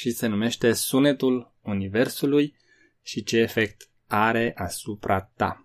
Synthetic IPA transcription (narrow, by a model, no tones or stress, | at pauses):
ʃise̞nume̞ʃt̪e̞sune̞t̪ul | unive̞rsuluj | ʃit͡ʃe̞ːfe̞k̚t̪ | aɾe̞ʔasupɾat̪a̰